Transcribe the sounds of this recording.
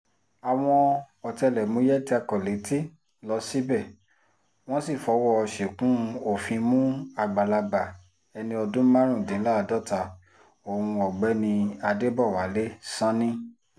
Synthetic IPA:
a˨w̃ɔ̃˧ | ɔ˨tɛ˧lɛ˨mũ˨˦jɛ˦ti˦a˧kɔ˨le˨˦ti˦ | lɔ˧˦si˦bɛ˦˨ | w̃ɔ̃˦si˦˨fɔ˨˦wɔ˦˨ɔ˧ʃe˨kũ˦˧o˦˨fĩ˧mũ˦a˧ɡ͡ba˨la˧ba˨ | ɛ˧nĩ˧ɔ˧dũ˦mã˦ɾ̃ũ˦˨dĩ˨˦la˦˧˨dɔ˦ta˧ | o˨hũ˧ɔ˨ɡ͡bɛ˨˦nĩ˧a˧de˦bɔ˦˨wa˨˦le˦sã˦nĩ˦

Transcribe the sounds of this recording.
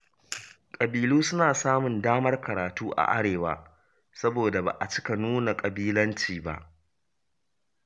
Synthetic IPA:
kʼɐ˨biː˨luː˦sʊ˦naː˨saː˦mʊ˨ndaː˦mɐ˦rkɐ˨ɾaː˨tuː˦ʔa̰˨ʔa̰˦ɽeː˨wa̰ː˦˨ | sɐ˦boː˨da˨ba̰˨ʔa˨t͡ʃɪ̥˦ka˨nuː˦na˨kʼɐ˨biː˦lɐ˦nt͡ʃiː˨ba̰˦˨ʔ

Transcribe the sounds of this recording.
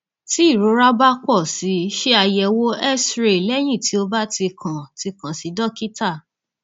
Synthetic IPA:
ti˨˦i˦˨ɾo˨˦ɾa˦ba˦kɔ˦˨si˨˦ʃe˦a˧jɛ˧wo˦ɛ˦sɾe˦˨lɛ˦j̃ĩ˦˨ti˨˦o˧ba˦ti˧kʰã˨ti˧kã˨si˨˦dɔ˦ki˦ta˦˨

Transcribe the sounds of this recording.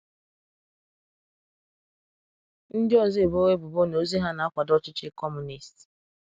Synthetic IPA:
n̩˦dɪ˦ɔ˦zi˦e˨bo˦we˦bʊ˨bo˦n˨o˦zi˦ɦa˦na˨˦a˦kʷa˨dɔ˦t͡ʃɪ˦t͡ʃɪ˦kɔ˦mu˨ni˨st

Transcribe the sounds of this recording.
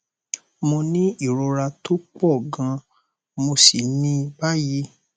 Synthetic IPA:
mo˧nĩ˦i˦˨ɾo˧ɾa˧to˦k͡pɔ˦˨ɡã˧ | mo˧si˨nĩ˧ba˦ji˨˦

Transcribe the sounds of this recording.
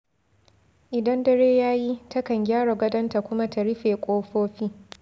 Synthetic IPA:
ʔɪ˨dɐ˦ndɐ˦ɽeː˦jaː˦ji˦tʰɐ˦kɐ˨ŋɡʲaː˦ɽa˨ɡʷɐ˦dɐ˦nta˨kʷʊ˦ma˦ta˨ɽɪ˦ɸeː˨kʷʼoː˦ɸoː˦ɸi˦

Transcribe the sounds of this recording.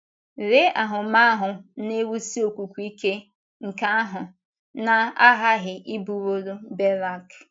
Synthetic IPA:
ɾe˦a˨ɦʊ˨ma˦a˦ɦʊ˨ne˦wu˦si˦o˨kʷu˨kʷu˦i˦ke˦ | ŋ̩˨ka˦a˦ɦʊ˨ | na˦a˦ɦa˦ɦɪ˨ʔi˦bu˨wo˦ɾo˦be˦ɾa˦k

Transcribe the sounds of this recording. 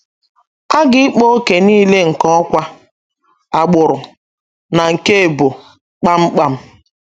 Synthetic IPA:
a˦ɡɪ˦ɪ˦k͡po˦o˦ke˨niː˦le˦ŋ̩˨kɔ˦ɔ˦kʷa˦ | a˨ɡ͡bʊ˨ɾʊ˨ | na˨ŋ̩˨ke˦e˨bo˨ | k͡pa˦m̩˦k͡pa˦m̩˦

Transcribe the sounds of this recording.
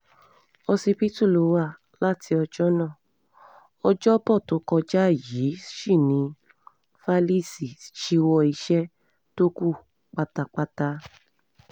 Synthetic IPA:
ɔ˧si˧pi˦tu˦˨lo˨˧˦wa˦˨ | la˦tʰi˧ɔ˧d͡ʒɔ˦nãː˦˨ | ɔ˧d͡ʒɔ˦bɔ˦˨to˨˦kɔ˧d͡ʒa˦˨ji˨˦ʃi˦˨nĩ˧˦ | fa˦li˦˨si˨ʃi˧˦wɔ˧i˧ʃɛ˦ | to˦ku˦˨ | k͡pa˧ta˧k͡pa˧ta˧

